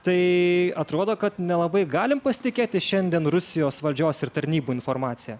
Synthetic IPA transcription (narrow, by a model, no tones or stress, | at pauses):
t̪ɐɪɐt̪ɾoːd̪oːkɐt̪nʲɛlˠɐbɐɪɡɑːlʲɪmpɐsʲɪ̥t̪ʲɪkʲeːt̪ʲɪʃʲɛnʲd̪ʲiɛnɾʊsʲɪjoːsʋɐlʲd͡ʒʲoːsɪɾt̪ɐɾʲnʲiːbuːɪnfoɾmɑːt̪sʲɪjɛ